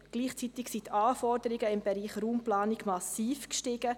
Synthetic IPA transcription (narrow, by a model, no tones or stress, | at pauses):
ɡ̥liːχt͡sit̪ɪksit̪ɑːfɔɾd̥̪əɾiɡəɪmbɛɾiːχruːmplɑːnɪɡmɑsiːfkʃtɪɡ̥ə